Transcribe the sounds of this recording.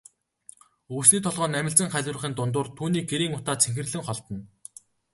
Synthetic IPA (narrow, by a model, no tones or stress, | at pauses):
ɵsniːt̪ʰɔɮʁɔːnːæmʲɪ̆ɬt͡sə̆ŋχæɮʲwʊ̆rχiːnt̪ʊnt̪ʊːrt̪ʰuːniːk̚ɡeɾiːŋʊt̪aːt͡sʰeŋxɘ̆rɮɘ̆ŋχɔɮt̪ɞ̆n